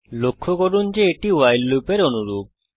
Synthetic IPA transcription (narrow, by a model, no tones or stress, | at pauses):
lokʰːokoɾund͡ʒeeʈiwajlːupeɾonuɾub̚